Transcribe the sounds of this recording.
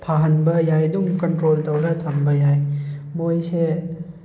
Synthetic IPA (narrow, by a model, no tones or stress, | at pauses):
pʰaɦɐnbɐjajdumkɐntɾoltɐwɾɐt̪ʰɐmbɐjajmojse